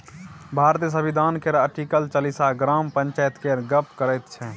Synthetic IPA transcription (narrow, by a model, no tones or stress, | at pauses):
bʱaɾt̪əs̬əbid̪ʱaːnkeɾəʈikəlt͡ʃəlisaɡɾampənt͡ʃajət̪keɾɡəpkəɾət̪t͡ʃʰɛ